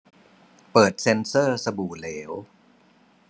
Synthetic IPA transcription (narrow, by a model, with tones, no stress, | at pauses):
pɤː˨˩t̪̚se˧nsɤː˥˩sa˧buː˨˩leː˩˦w